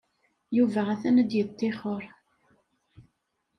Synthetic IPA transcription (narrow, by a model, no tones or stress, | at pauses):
juvæʁæθænəd̪jət̪ˤːeχɔɾ